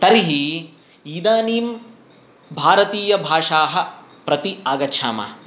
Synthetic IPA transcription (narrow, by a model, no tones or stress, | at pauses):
t̪ɐɾiɦi | iːd̪aːniːm | bʱaːɾɐt̪iːjɐbʱaːʂaːɦɐ̆ | pɾɐt̪iaːɡɐtːʃʰaːma̰ː